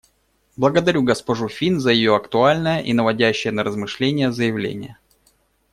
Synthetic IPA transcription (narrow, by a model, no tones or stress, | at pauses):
blˠəɡəd̪ɐɾʲuɡəspɐʐufʲinzəjɪjoɐkt̪ʊalʲnəjəʔinəvɐdʲæɕːɪjənəɾəzmɨʂlʲenʲɪjəzəjɪvlʲḛnʲɪ̰jə